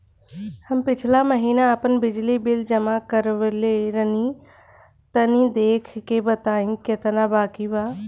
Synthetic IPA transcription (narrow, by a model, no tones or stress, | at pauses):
həmpɪt͡ʃʰlaməɦiːnaəpənbɪd͡ʒlibɪld͡ʒəmakəɾʋleɾəni | t̪ənĩd̪eːkʰkebət̪aːĩkɪt̪nabaːkibaː